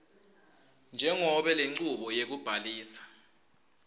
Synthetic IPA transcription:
nd͡ʒʱɛŋɔɓɛleŋ͡ǀuɓɔjek̬ub̥ʱaliːsḁ

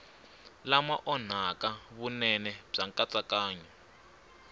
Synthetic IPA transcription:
lamaʔɔn̤akaβunɛnɛb͡ʐaŋkʼat͡sʼakaːɲɔ

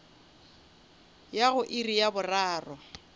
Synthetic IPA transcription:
jaɣʊʔɪrijabʊraːrɔ

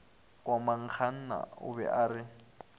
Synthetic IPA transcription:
kʼwamaŋkʰana̰ṵβɛ̰ʔaɾɪ

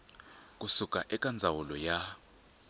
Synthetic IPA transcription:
kʼusukʼaʔɛkʼand͡zʱawulɔja

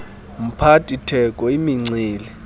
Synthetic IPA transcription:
m̩pʰatʼitʰɛkʼɔimiŋ͡ǀiːlɛ

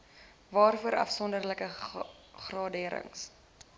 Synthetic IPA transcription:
vɑːrfuəɾɐ̰fsɔndərləkə | χrɑːdiəɾə̰ŋs

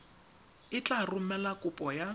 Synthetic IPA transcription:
ɪt͡ɬʼarʊmɛlakʼʊpʼɔja

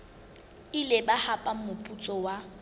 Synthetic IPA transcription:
ɪlebahapʼam̩mʊpʼut͡sʼɔwa

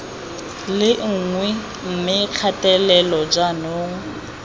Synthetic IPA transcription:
lɪŋ̩ŋwɛ | m̩mɪq͡χʰatʼɛlɛlɔd͡ʒanoːŋ

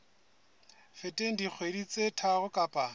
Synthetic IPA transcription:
fɪtʼeŋ̩dik͡xʰwedit͡sʼetʰaɣʊkʼapʼa

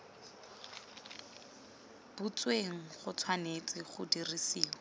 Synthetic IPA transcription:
b̥ut͡sweŋ̩χʊt͡sʰwanet͡sʼɪχʊdirisiːlɔ

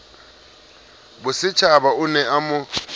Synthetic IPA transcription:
bʊsɪt͡ʃʰabaʊnɛamʊ

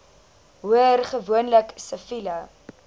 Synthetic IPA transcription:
ɦuərχəvuənləksəfilɐ

